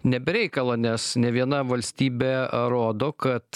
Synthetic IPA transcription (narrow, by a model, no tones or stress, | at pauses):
nʲɛbʲɛɾʲɛɪkɐlˠoːnʲɛsnʲɛʋʲiɛnɐʋɐlʲsʲt̪ʲiːbʲeːɾoːd̪oːkɐt̪